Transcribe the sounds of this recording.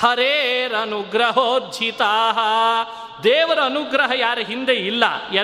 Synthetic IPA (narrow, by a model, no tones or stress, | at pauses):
hɐɾeːɾɐnuɡɾɐɦoːd̪d͡ʒʱit̪aːɦɐ | d̪eːʋɐɾɐɐnuɡɾɐɦɐjaːɾɐɦind̪eilːɐ̰jɐ